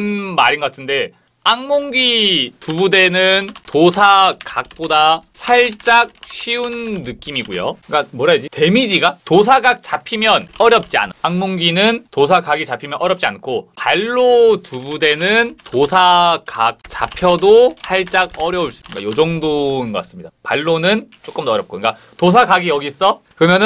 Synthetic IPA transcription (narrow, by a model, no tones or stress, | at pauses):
nmaɾinɡʌɡatʰɯnde̞ | aŋmoŋɡitubude̞nɯntosʰakak̚p͈odasʰaɭt͡ɕ͈ak̚ɕʰiunːɯk͈imiɡujo̰k͈amwʌɾajad͡ʑite̞mid͡ʑiɡatos̬ʰaɡak̚t͡ɕapʰimjʌnʌɾjʌp̚t͡ɕ͈ia̰nɯaŋmoŋɡinɯntosʰaɡaɡit͡ɕapʰimjʌnʔʌɾjʌp̚t͡ɕ͈iankʰopaɭːotubude̞nɯntosʰakak̚t͡ɕa̰pʰjʌdosʰaɭt͡ɕ͈aɡ̚ʌɾjʌuɭs͈ɯ̥k͈a̰jod͡ʑʌŋdonɡʌk͈as͈ɯmɲid̥apaɭːonɯnt͡ɕ͈ok͈ɯmdʌɾjʌp̚k͈oɲik͈a | tos̬ʰaɡaɡijʌɡis͈ʌkɯɾʌmjʌnɯ